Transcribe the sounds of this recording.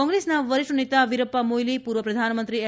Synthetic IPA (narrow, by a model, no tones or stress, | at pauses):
ɔ̃ŋɡɾesnaʋəɾiʂʈunit̪aʋiɾɐpːamojlipuːɾʋəpɾɐd̪ʱanəmənt̪ɾie